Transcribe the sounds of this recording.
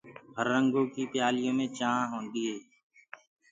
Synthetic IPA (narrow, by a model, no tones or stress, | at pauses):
ɦəɾːəŋɡõːkiːpjaːlɪjõːmẽːt͡ʃãːɦõːnd̪iːɦeː